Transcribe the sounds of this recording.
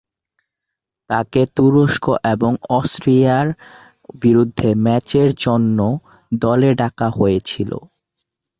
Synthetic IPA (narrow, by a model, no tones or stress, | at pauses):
t̪aket̪uɾoʃkoʔeboŋɔsʈɾiaɾ | biɾud̪ʱːemɛt͡ɕeɾd͡ʑonːo | d̪ɔleɖakaɦojet͡ɕʰilo̰